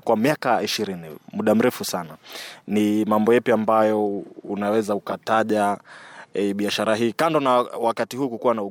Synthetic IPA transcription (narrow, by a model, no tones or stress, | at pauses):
kwamiakaaiʃiɾinḭmuɗam̩ɾɛfusananimambɔjɛpiambajɔunawɛzaukataʄa | ɛɓiaʃaɾaɦiːkandɔnawakatiɦuːkukuwanau